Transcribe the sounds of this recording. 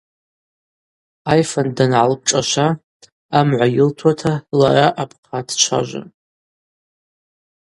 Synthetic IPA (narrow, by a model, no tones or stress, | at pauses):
ajfandanʕalp̚ʈ͡ʂʼaʃʷaː | mʕʷajɪltʰwatʰala̰ɾaʔapʰqʰadt͡ʃʷʰa̰ʒʷa̰n